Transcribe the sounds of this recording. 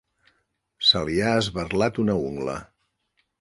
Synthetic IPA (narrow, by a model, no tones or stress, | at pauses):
səliaəzβərlat̪unəuŋɡlə̰